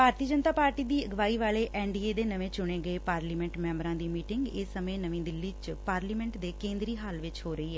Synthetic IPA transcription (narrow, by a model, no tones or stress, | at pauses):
bʱaːɾt̪iəd͡ʒənt̪aːpaːɾʈiːd̪iːəɡʋaːiːʋaːleːʔɛːɳɖiːeːd̪eːnəʋẽːt͡ʃʊɽ̃ẽːɡəeːpaːɾliːmɛ̃ɳʈmɛ̃ːmbɾãːd̪iːmiːʈɪŋɡɪsəmẽːnəʋĩːd̪ɪlːiːt͡ʃpaːɾliːmɛ̃ɳʈd̪eːkẽːnd̪ɾiːɦaːlʋɪt͡ʃɦoːɾəiːɦɛː